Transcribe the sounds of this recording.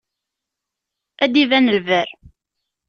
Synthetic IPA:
æd̪ivænəlvæɾ

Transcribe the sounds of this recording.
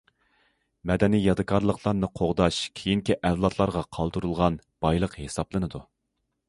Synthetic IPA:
mɛd̪ɛnijɑd̪ɨkʰɑɾlˠəqʰlˠɑɾnɨqʰoʁd̪ɑʃkʲʰejiŋkʲiʔɛvlˠɑt̪lˠɑɾʁɑqʰɑlˠd̪ɨɾulˠʁɑn | b̥ɑjlˠəqhesɑplˠɨnɨd̪u

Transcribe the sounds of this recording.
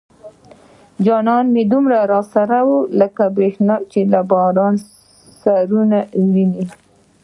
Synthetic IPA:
d͡ʒɑnɑnmed̪umɾaɾɑsaɾawuləkabɾexnɑt͡ʃelabɑɾɑn | saɾunawini

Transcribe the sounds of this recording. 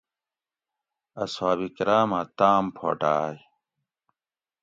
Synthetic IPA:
ɐswaːbikɾaːmat̪aːmpʰo̰ːʈaːj

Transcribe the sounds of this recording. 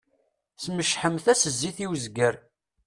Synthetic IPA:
sməʃħəmθæsəzːiθiwzɡəɾ

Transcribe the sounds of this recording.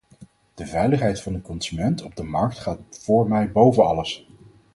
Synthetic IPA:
d̥əvɛjləχɦɛjtfɑndəkɔnz̥ymɛntɔb̚dəmɑɹk̚tχaːtfʊːɹmɛjbowvənɑ̰ləs

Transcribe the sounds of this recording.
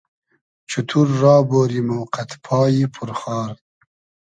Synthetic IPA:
t͡ʃʰut̪ʰuɾːɑːboːɾimowqat̪pʰɑːjipʰuɾχɑːɾ

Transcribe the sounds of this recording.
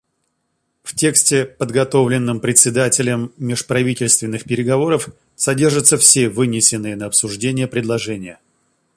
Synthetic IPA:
ftʲe̞ksʲtʲɪpəd̪ɡɐt̪o̞vlʲɪnːɨmpɾʲɪt̪ʲsʲːɪd̪atʲɪlʲəmːʲɪʂpɾɐvʲitʲɪlʲst̪vʲɪnːɨxpʲɪɾʲɪɡɐvo̞ɾəf | sɐdʲe̞rʐət̪səfsʲe̞vɨnʲɪsʲɪnːɨjənəɐpsʊʐdʲenʲɪjəpɾʲɪd̪lˠɐʐɛnʲɪjə

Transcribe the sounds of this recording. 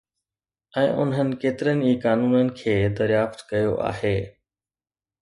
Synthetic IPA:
ɛ̃ːʔʊ̰nɦənɪ̆keːt̪ɪɾənɪ̆iːkaːnuːnənɪ̆kʰeːd̪ɐɾjaːft̪kɐjoʔa̰ːɦeː

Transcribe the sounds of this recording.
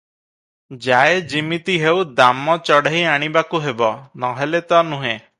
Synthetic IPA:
d͡ʒaed͡ʒimit̪iɦewd̪amɔt͡ʃɔɽaɦiaɽ̃ibakuɦebɔnɔɦelet̪ɔnũɦẽ

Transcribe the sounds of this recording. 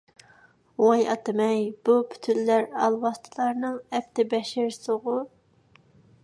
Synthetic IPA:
wɑjɑt̪ɨmɛjb̥upʰy̥t̪ʰynlæɾɑlˠwɑst̪ʰɨlˠɑɾnɨŋɛp̚t̪ɪbɛʃɪɾsoʁʊ

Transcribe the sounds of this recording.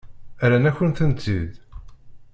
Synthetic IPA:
æɾænæçənθənt͡s̪ːið

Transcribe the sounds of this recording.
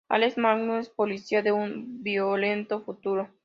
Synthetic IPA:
a̰leksmaɡnoespolisiaðeumbjolent̪ofut̪uɾo

